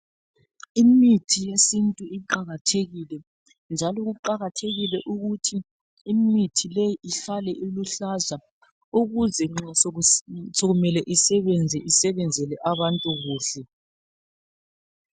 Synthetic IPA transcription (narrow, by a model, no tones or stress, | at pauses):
imitʰijesintʼuiǃaɣatʰeɣilɛ | nd͡ʒʱalɔɣuǃaɣatʰeɣilɛʔuɣutʰiː | mitʰilejiʔiɬalɛʔiluɬaza | uɣuzɛŋ͡ǁa | soɣumɛlɛʔisɛβɛnd͡zʱɛʔisɛβɛnd͡zʱɛlɛʔaβantʼuɣuːɬɛ